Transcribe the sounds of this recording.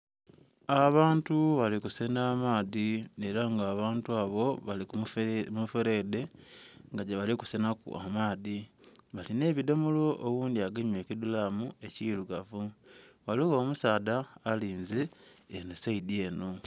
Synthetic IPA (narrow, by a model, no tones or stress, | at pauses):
aβaːntuβalikusenaːmaːðieɾaŋɡaːβaːntuaːβo̞βalikumufeɾede̞ŋɡaɟeβaliku̥senakṵa̰maːðiβaline̞ːβido̞molo̞ʔowuːndiaɡeɲeːcidulaːmue̞ciluɡavuwaliɣo̞ːmusaːðaːliːnzienesaidie̞ːno̞